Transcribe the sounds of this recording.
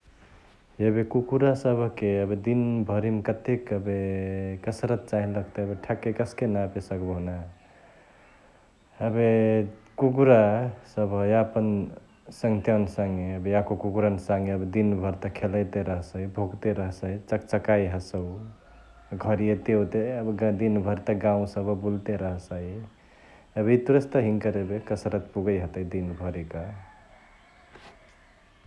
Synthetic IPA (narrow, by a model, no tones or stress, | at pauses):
jebekukuɾasəbʱkeəbed̪inbʱəɾimkət̪ekəbekəsɾət̪̚t͡ʃaɦinləɡ̚t̪eəbeʈʰakːekəskenapesəkbəna | əbekukuɾasəbʱjaəpən | səŋt̪jansaŋɡeəbejakokuɡuɾansaŋɡeəbed̪inbʱəɾt̪əkʰeləjt̪eɾəɦsaibʱoɡt̪eɾəɦsaɦit͡ʃəkt͡ʃəkajɦəsəw | ɡʱəɾiet̪eot̪eəbɡd̪inbʱəɾt̪əɡãũsəbbult̪eɾəɦsaɦi | əbit̪uɾəst̪əɦiŋkəɾebekəsəɾət̪puɡəjɦət̪əjd̪inbʱəɾikə